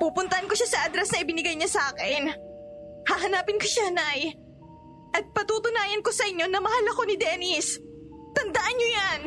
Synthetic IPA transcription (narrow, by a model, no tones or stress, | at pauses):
puːpʊnt̪ɐhɐnkoʃasɐʔɐd̪ɾɛsnɐʔɪbɪnɪɡajɲɐsaːkɪn | haːɦɐnaːpɪnkoʃanaj | ʔɐt̪̚pɐt̪uːt̪ʊnaːjɐnko̞sɐʔɪɲːo̞nɐmɐhalɐko̞nɪd̪ɛːnɪs | t̪ɐnd̪ɐʔanɲojan